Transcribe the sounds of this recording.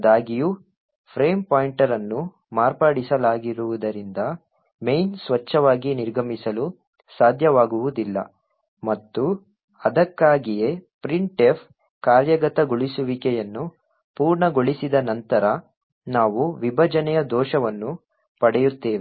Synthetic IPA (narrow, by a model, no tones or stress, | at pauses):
d̪aːɡiju | pʰɾeːmpaːjiɳʈɐɾɐnːu | maːɾpaːɽisɐlaːɡiɾuʋud̪ɐɾind̪ɐ | mejnsʋɐt͡ʃːɐʋaːɡiniɾɡɐmisɐlu | saːd̪ʱjɐʋaːɡuʋud̪ilːɐ̰ | mɐt̪ːu | ɐd̪ɐkːaːɡijepɾiɳʈefʰ | kaːɾjɐɡɐt̪ɐɡoɭisuʋikɛjɐnːu | puːɾɳɐɡoɭisid̪ɐnɐnt̪ɐɾɐ | naːʋuʋibʱɐd͡ʒɐnɛjɐd̪ɔːʃɐʋɐnːu | pɐɽɛjut̪ːeːʋe